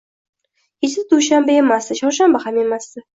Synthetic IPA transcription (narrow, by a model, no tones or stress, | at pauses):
het͡ʃd̪ɪd̪uʃambae̞masd̪ɪʃɒɾʃambahame̞masd̪ɪ